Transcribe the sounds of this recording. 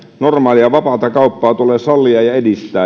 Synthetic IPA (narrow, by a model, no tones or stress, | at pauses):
normɑːliɑʋɑpɑˑt̪ɑkɑupːɑːt̪uleːsɑlːiɑjɑedist̪ˑæː